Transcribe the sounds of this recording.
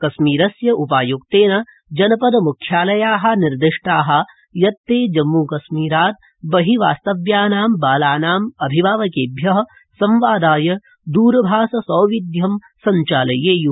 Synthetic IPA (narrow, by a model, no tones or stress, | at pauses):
kɐʃmiːɾɐsjɐʔupaːjuk̚t̪eːnɐ | d͡ʒɐnɐpɐd̪ɐmukʰjaːlɐjaːɦɐ̆niɾd̪ɪʂʈaːɦɐ̆ | jɐt̪ːeːd͡ʒɐmːukɐʃmiːɾaːt̪̚ | bɐɦiʋaːst̪ɐʋjaːnaːmbaːlaːnaːmɐbʱiʋaːʋɐkeːbʱjɐɦɐ̆ | sɐmʋaːd̪aːjɐ | d̪uːɾɐbʱaːsɐsɔːʋid̪jɐm | sɐɲt͡ʃaːlɐjeːju